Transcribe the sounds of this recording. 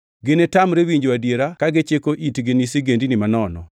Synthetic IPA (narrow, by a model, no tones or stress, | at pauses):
ɡɪnetamɾewiɲd͡ʒwadjeɾakaɡet͡ʃekoʔitɡɪnisiɡendinɪmanɔnɔ̰